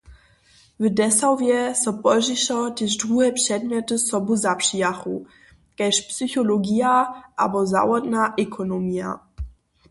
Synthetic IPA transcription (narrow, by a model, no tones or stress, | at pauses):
vədɛsawvjɛsɔpɔʒiʃɔtɪʃdʁuɦɛpʂɛdmjɛtəsɔbuzapʂijaχu | kɛʃpsyçɔloɡijaʔa̰bɔza̰wɔdnaʔɛkʰɔnomia̰